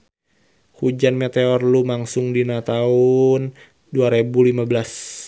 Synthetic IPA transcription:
hud͡ʒanmet̪eɔrlumaŋsʊŋdinat̪aun | duaɾebulimabəlas

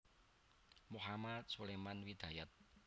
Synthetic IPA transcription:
muɦamat̪̚sulemanwid̪̥a̤jat̪̚

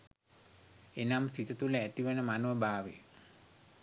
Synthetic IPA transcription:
enamsit̪ət̪uləæt̪iʋənəmanuʋəbaːʋḛ

